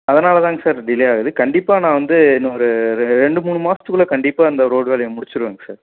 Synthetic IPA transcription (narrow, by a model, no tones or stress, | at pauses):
ɐðɐnaːlɐt̪ãːŋɡɐsaːɾɖɪlɐjaːɣɐðɯkɐɳɖɪpːaːnãːʋɐnd̪ɯɪnːɐɔɾɯɾɛɳɖɯmuːɳːɯmaːsɐt̪ːɯkɯɭɐkɐɳɖɪpːaːɐnd̪ɐɾoːɖʋeːlɐjɐ̃mʊɽɪt͡ʃːɯɾɯʋeːŋɡɐsaːɾ